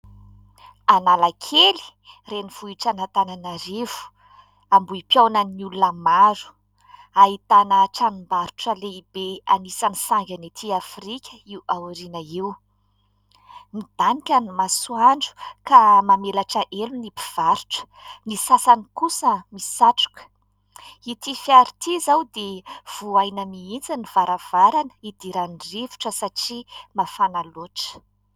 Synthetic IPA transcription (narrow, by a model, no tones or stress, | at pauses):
analakʰeli̥ | reniv̥uiʈ͡ʂanat̪ananaɾevu̥ | ambuipjawnanulunəmaɾu̥ | aɦit̪anəʈ͡ʂanimbaɾuʈ͡ʂəleib̥eanisanisaŋɡʲanet̪ʰiafrikʲəiwawuɾinəiw | mid̪̥anikʲanimasuaɳɖ͡ʐu̥kamamelaʈ͡ʂaʔelunipiv̥aɾu̥ʈ͡ʂə̥ | nisasanikusəmisaʈ͡ʂu̥kə̥ | it̪ifjaɾit̪ʰizawd̪ev̥uajnəmiind͡zaniv̥aɾav̥aɾanə̥id̪̥iɾanirevu̥ʈ͡ʂəsaʈ͡ʂimafanaloʈ͡ʂə̥